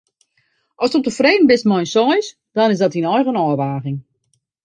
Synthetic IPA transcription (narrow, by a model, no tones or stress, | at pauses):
ʔɔstop̚təfreːdən̩bɪstmɔjnsɔjs | d̥ɔnɪzdɔtinɔjxənɔːʋaːɣɪŋ